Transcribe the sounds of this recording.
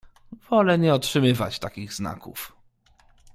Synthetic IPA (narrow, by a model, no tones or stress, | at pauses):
v̥ɔlɛɲɛɔtʂɘmɘvat͡ɕt̪akʲiɣzna̰kṵf